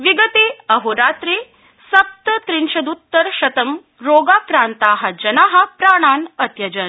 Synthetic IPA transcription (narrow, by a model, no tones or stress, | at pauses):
ʋiɡət̪eːɐɦoɾaːt̪ɾi | sɐp̚t̪ət̪ɾinʃɐd̪ut̪ːəɾʃɐt̪ɐm | ɾoːɡaːkɾaːnt̪aːɦɐd͡ʑɐnaːɦɐpɾaːɽ̃aːnɐt̪jɐd͡ʒɐn